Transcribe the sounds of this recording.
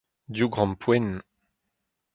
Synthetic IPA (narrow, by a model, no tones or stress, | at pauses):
d̪juɡʁɑ̃mpʰwɛn